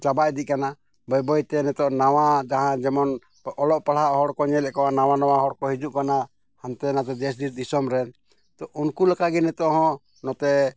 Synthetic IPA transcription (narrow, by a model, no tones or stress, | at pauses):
t͡ʃabaʔd̪ic̚ˀkana | bɔjbɔjt̪ɛnɛt̪ɔʔnawad͡ʒaɦãd͡ʒɛmɔn | ɔlɔʔpaɽaʔɦɔɽkɔɲɛlɛʔkɔwanawanɔwaɦɔɽkɔhid͡ʒuʔkana | hant̪ɛnat̪ɛd̪ɛs̬d̪iɾ̚d̪isɔmɾɛn | t̪ɔʔunkulakaɡɛnɛt̪ɔʔɦɔ̃ | nɔt̪ɛ